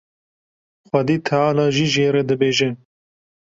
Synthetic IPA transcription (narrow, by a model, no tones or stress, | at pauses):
xʷɐd̪iːt̪ʰaaːnɑːʒiʒeːɾɛd̪ɨbeːʒe